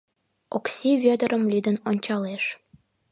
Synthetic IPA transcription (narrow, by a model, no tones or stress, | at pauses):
oksʲiβʲød̪ə̆ɾʔə̆mlʲid̪ənonʲt͡ɕɑleʃ